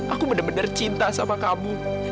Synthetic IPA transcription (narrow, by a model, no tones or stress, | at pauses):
ʔakubədabənərt͡ʃint̪asamakamu